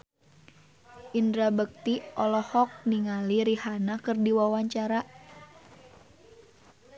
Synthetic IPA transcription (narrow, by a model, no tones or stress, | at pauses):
ʔindɾabək̚t̪iʔɔlɔhɔk̚niŋaliɾihanakɨrdiwawaɲt͡ʃaɾa